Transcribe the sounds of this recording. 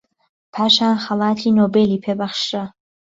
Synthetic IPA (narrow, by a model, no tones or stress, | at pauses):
pʰaːʃaːnxɐlˠaːt̪ʰiːnoːbeːliːpʰeːbɐχʃra